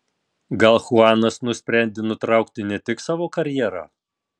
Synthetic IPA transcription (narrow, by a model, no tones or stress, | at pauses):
ɡɐlˠxʊɑːnɐsnʊsʲpʲɾʲɛˑnʲd̪ʲenʊt̪ɾɑˑʊkt̪ʲɪnʲɛt̪ʲɪksɑːʋoːkɐɾʲjɛːɾɑ̰ː